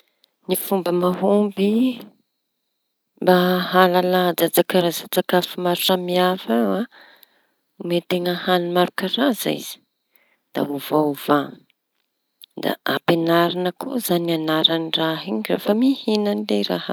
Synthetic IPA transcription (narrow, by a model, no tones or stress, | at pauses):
nifumbəmaɦumbi | mbaɦalalad͡zad͡zakaɾazat͡sakafimaɾuʈ͡ʂamiafaa | umet̪eŋəhanimaɾukaɾazḭz̥i̥ | d̪̥a̰uvauva | d̪a̰apenaɾanəkʰozanianaɾaniraɦiɲra̰fəmihinanleɾa̰ha̰